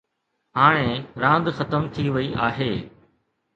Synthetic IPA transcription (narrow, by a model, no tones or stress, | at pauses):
ɦaːɽ̃ẽɾãːnd̪xɐt̪əmt̪ʰiʋɐiʔaːɦeː